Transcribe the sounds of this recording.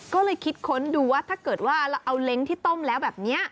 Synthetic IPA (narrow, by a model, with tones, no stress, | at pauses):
kɔː˥˩lɤː˧jkʰi˦˥t̪̚kʰo˦˥nduː˧waː˥˩t̪ʰaː˥˩kɤː˨˩t̪̚waː˥˩ʔla˧ʔa˧wle˦˥ŋt̪ʰiː˥˩t̪o˥˩mlɛː˦˥wbɛː˨˩p̚ni˦˥ɐ